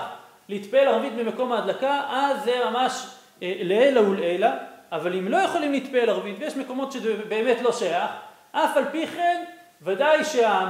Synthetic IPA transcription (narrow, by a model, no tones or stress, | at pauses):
χ | leit̪pelaʁvit̪̚bemeko̞maːd̪lakaʔazːemamaʃ | leejlaulejlaʔːvalimlo̞jeχo̞limlit̪̚pelaʁvit̪vejeʃme̞ko̞mo̞tʃezbeːme̞tlo̞ʃajaχ | ʔafalpiχe̞n | vadajʃea